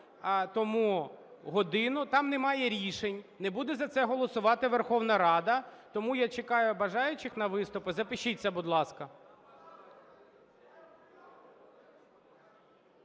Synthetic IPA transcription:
t̪ɔmuɦɔd̪ɪnʊt̪ɑmnɛmɑjɛɾʲiʃenʲnɛbud̪ɛzɐt̪sɛɦɔlˠɔsʊʋɑt̪ɪʋerxɔwnɐɾɑd̪ɐt̪ɔmujat͡ʃekɑjʊbɐʒɑjʊt͡ʃɪxnɐʋɪst̪ʊpɪzɐpɪʃit͡sʲːɐbʊd̪lˠɑskɐ

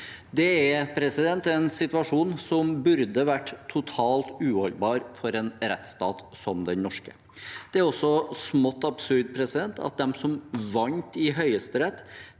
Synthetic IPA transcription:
d̪ɛæpʰɾɛsɪd̪ɛnt̪ɛnsɪt̪ʋɑʂuːnsɔmbʉɾd̪əʋæʈːt̪ʰʊt̪ʰɑːlt̪ʉːhɔlbɑːɾfɔɾɛːnɾɛt̪ːst̪ɑːt̪sɔmd̪ɛnnɔʂkə | d̪̥ɛæɾɔsːɔsmɔt̪ːɑbsʉɾd̪̚pʰɾɛsɪd̪ɛnt̪ɑ̰t̪̚d̪ɛmsɔmʋɑnt̪ɪɦœʏəst̪əɾɛt̪ː

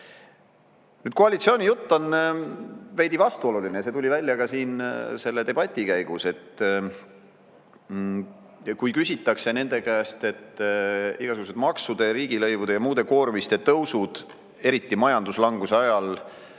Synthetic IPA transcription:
nyːd̪̥̚koɑlʲit̪sio̞ːnʲijut̪ːo̞n | vejd̪̥ivɑst̪uo̞lulineɑset̪ulʲivælʲːjɑɡɑsiːnse̞lːe̞t̪e̞b̥ɑt̪ʲːˑikæjɡ̥use̞t̪ː | kujkysʲit̪ˑːɑkse̞ne̞nd̪̥e̞kæest̪e̞t̪ː | iɡ̥ɑsuɡus̬et̪mɑksud̪e̞ɾiːɡ̥ilɤjvud̪e̞jɑmuːd̪e̞ko̞ːɾmist̪e̞t̪ɤwsud̪̥ | e̞ɾit̪ˑːimɑjɑnd̪uslɑŋɡ̥useɑjɑl

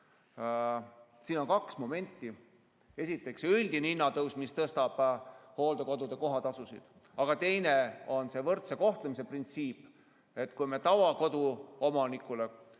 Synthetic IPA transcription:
siːno̞nkɑksmo̞me̞nʲt̪ːˑi | e̞sit̪ːˑe̞ksylʲd̪̥ininːɑt̪ɤwsmist̪ɤst̪ɑb̥ho̞ːld̪eko̞d̪ud̪e̞ko̞ɦɑt̪ɑsusḭd̪̥ | ɑɡ̥ɑt̪e̞jne̞o̞nse̞vɤrt̪seko̞ht̪lemis̬e̞print̪siːpː | e̞t̪ːkujme̞t̪ɑvɑko̞d̪̥uo̞mɑnikːˑule

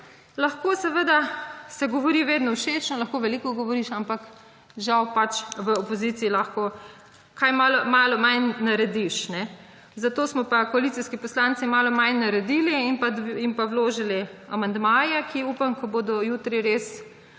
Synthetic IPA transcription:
lɐxkoːsɛʋəd̪asɛɡɔʋɔɾiʋeːd̪nɔuʃeːt͡ʃnɔlɐxkoʋɛliːkɔɡɔʋɔɾiʃampak | ʒawpat͡ʃʋəɔpɔziːt̪siilaxko | kajmaːlɔmaːlɔmajnaɾɛd̪iʃnɛ | zat̪oːsmɔpakɔalit̪iskipɔslant̪simaːlɔmajnaɾɛd̪iːliːnpaimpawloːʒilia̰mand̪maːjɛkʰiuːpamkɔboːd̪ɔjuːt̪ɾiɾeːs

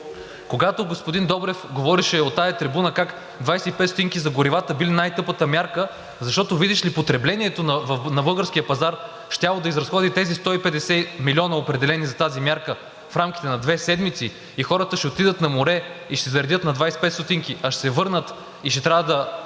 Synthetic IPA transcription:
koɡat̪oɡospʊd̪ind̪ɔbɾɛfɡovɔɾiʃɛot̪ːajɐt̪ɾibunəkak | d̪vajsɛipɛt̪st̪ot̪iŋkizɐɡoɾivat̪əbilinajt̪ɤpət̪əmʲjaɾkə | zɐʃt̪ɔt̪ovid̪iʃlipot̪ɾɛblɛniɛt̪onvnɐbɤlˠɡəɾskʲijəpɐzaɾ | ʃt̪ʲjalˠod̪ɐizɾɐsxɔd̪it̪ɛzist̪ɔipɛd̪ɛsɛmilʲiɔnəopɾɛd̪ɛlɛnizɐt̪azimʲjaɾkə | fɾamkʲi̥t̪ɛnɐd̪vɛsɛd̪mit̪si | ixɔɾət̪əʃɛot̪id̪ət̪nɐmoɾɛiʃt̪ɛzɐɾɛdʲɤt̪nɐd̪vajsɛ̥pɛt̪st̪ot̪iŋkiʔɐʃsɛvɤɾnət̪ | iʃt̪ɛt̪ɾʲavəd̪ɐ

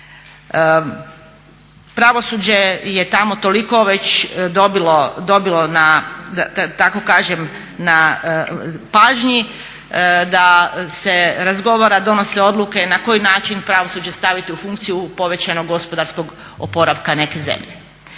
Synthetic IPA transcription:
pɾaʋo̞suːd͡ʑe̞jet̪amo̞t̪o̞liko̞ʋe̞t͡ɕd̪obilod̪obilo̞nad̪aat̪ako̞kaːʒem | na | paːʒɲi | d̪ase̞ɾazɡo̞ʋaɾad̪o̞no̞se̞o̞d̪luke̞nako̞jinaːt͡ʃinpɾaʋo̞suːd͡ʑe̞st̪aʋit̪iufuŋkt̪sijupo̞ʋe̞t͡ɕanoɡːo̞spod̪aɾsko̞ɡ | o̰po̞ɾaʋkane̞ke̞ze̞̰mʎḛ

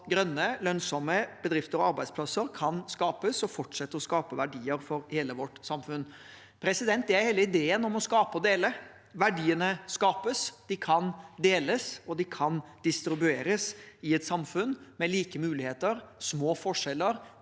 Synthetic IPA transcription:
ɡɾœnːəlœnsɔməb̥əd̪ɾɪft̪əɾɔɑɾbæɪspʰlɑsəɾkʰɑnskɑːpəsɔfɔʈʂɛt̪ːəɔskɑːpəʋæɖiːəɾfɔɾheːləʋɔʈːsɑmfʉn | pʰɾɛsɪd̪ɛnt̪̚d̪ɛæɾheːləɪd̪eːənɔmɔskɑːpəɔd̪eːlə | ʋæɖiːənəskɑːpəsd̪̥ɪkʰɑnd̪eːləsɔd̪ɪkʰɑnd̪̥ɪst̪ɾɪbʉeːɾəsɪɛt̪sɑmfʉnmɛliːkəmʉːlɪheːt̪əɾsmoːfɔʂɛlːəɾ

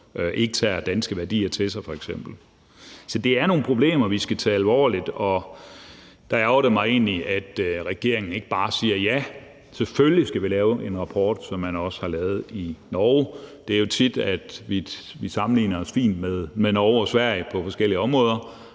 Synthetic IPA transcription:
øʔe̝ɡ̥ət͡sʰæ̰ːd̥ænsɡ̥əʋæɐd̥ḭːɐt͡sʰelsɑ̈ɪfɒ̽eɡ̥sem̰b̥l̩ | sɒ̽d̥e̝æɐno̝ːn̩pʰʁo̝b̥le̝̰ːmɐʋisɡ̥æt͡sʰɛ̰ːælʋɒ̰ːlid̥ɒ̽ | d̥ɑ̈æʊɾ̥emɑ̈ɪe̝̰ːniʔæd̥ʁɛɡ̥e̝ɐe̝ŋn̩e̝ɡ̥əb̥ɑ̈ːsiːɐjæ | seføllisɡ̥æʋilɛːʊʔe̝nʁɑ̈pʰɒ̰ːd̥sɒ̽mːænɒ̽shɑ̈lɛːʊð̞̩ˠinɒːʊd̥eæɐjo̝t͡sʰid̥æd̥ʋi | ʋisɑ̈mn̩lḭːnɐɒsfḭːnd̥meðˠmenɒʊɒsʋæɐ̰ɪəpʰɒ̽fɒ̽sɡ̥el̰iəɒ̽mʁɔ̽ːð̞ˠɐ

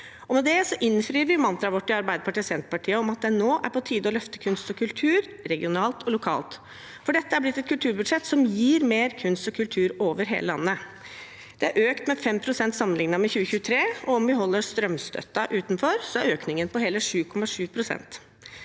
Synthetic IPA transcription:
ɔmɛd̪ɛsɔʔɪnfɾiːɾʋɪmɑnt̪ɾɑʋɔʈːɪɑɾbæɪd̪əpʰɑʈiːsɛnt̪əpɑʈʰiːəɔmɑt̪̚d̪ɛnoːʔæ̰ɾpʰɔt̪ʰiːd̪əɔlœft̪əkʰʉnst̪ɔkʰʉlt̪ʰʉːɾ | ɾɛɡɪʊnɑːlt̪ʰɔlʊkʰɑ̰ːlt̪ | fɔɖɛt̪ːəæblɪt̪ːɛt̪kʉlt̪ʰʉːɾbʉd̪ʂɛt̪sɔmjiːɾmeːɾkʰʉnst̪ɔkʰʉlt̪ʰʉːɾoːʋəɾɦḛːləlɑ̰nːə | d̪̥ɛæɾʔøːkt̪mɛfɛmpʰɾʊsɛnt̪sɑmːənlɪŋnɑmɛçʉːəçʉːət̪ʰɾeːɔɔmʋɪɦɔlːəɾʂt̪ɾœmst̪œ̰t̪ːɑʔʉːt̪nfɔɾsɔæɾøːknɪŋənpɔɦɛːləʂʉːkʰɔmɑʂʉːpʰɾʊsɛ̰nt̪

